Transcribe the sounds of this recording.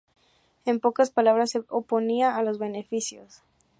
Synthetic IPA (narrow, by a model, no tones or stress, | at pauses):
empo̞kaspalaβ̞ɾaseopo̞niaːlo̞zβe̞ne̞fisjo̰s